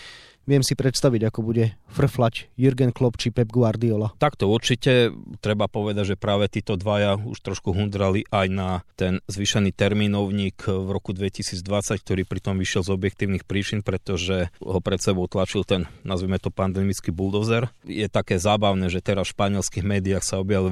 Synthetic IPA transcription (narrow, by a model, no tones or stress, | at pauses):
ʋɪɛmsipɾɛt̪st̪aʋiɟakɔbuɟɛfr̩flacjuɾɡɛnklɔpt͡ʃipɛbɡʋaɾd̪iɔlat̪akt̪ɔuɾt͡ʃicɛt̪ɾɛbapɔʋɛd̪aɟʒɛpɾaːʋɛt̪iːt̪ɔd̪ʋajaṵʃt̪ɾɔʃkuɦund̪ɾaliʔajnat̪ɛnzʋiʃɛniːt̪ɛɾminɔʊɲiːkʋɾɔkud̪ʋɛcisiːd͡zd̪ʋat͡sack̚t̪ɔɾiːpɾit̪ɔmʋiʃɪɛlzɔbjɛkt̪iːʊnixpɾiːt͡ʃinpɾɛt̪ɔʒɛɦɔpɾɛt̪sɛbɔʊt̪lat͡ʃilt̪ɛnnazʋimɛt̪ɔpand̪ɛːmit͡skibuld̪ɔzɛɾjɛt̪akɛːzaːbaʊnɛːʒɛt̪ɛɾasfʃpaɲɪɛlskiɣmɛːd̪iaxsaɔbjaʋi